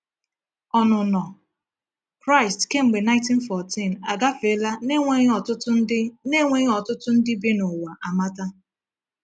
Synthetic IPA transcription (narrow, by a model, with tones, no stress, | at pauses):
ɔ˨nʊ˨nɔ˨ | kɾa˦ɪ˨stke˦˨m̩˨ɡ͡be˨na˦ɪ̃˦nti˦n̩˦fɔ˨ti˦˨na˨ɡa˦fe˨˦la˦ne˦ŋʷe˦ɔ˨tʊ˦tʊ˦ɪ˦ne˦ŋʷe˦ɣɔ˨tʊ˦tʊ˦n̩˦dɪ˦be˦nʊ˨wa˨ʔa˨ma˦ta˦